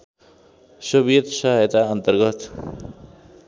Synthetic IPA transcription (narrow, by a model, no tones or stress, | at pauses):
sʌbijʌt̪sʌɦjt̪aʌnt̪ʌrɡʌt̪